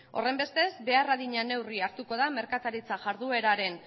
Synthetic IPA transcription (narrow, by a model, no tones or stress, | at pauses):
o̞̰re̞mbe̞st̪e̞zbe̞araðiɲane̞wriaɾt̪uko̞ðame̞ɾkat̪aɾit͡saʝaɾðue̞ɾaɾe̞n